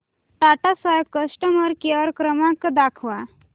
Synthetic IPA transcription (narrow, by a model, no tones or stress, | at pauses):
ʈaʈasajəkəsʈəməɾkeʋəɾkɾəmãkd̪akʰʋa